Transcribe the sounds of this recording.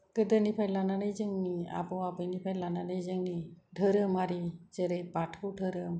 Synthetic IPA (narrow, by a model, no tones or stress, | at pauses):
kəd̪ənipʰajlananəjd͡ʒɯŋnia̰bɔabɯjnipʰajlananəjd͡ʒɯŋniɖʱəɾɯmaɾid͡ʒeɾejbaʈʰuɖʱəɾɯm